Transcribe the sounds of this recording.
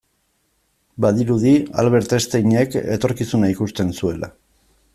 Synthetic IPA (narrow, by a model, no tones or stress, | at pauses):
baðiɾuðia̰lβe̞ɾt̪e̞st̪eɲeke̞̰t̪o̞ɾkisunaikust̪e̞nsue̞la̰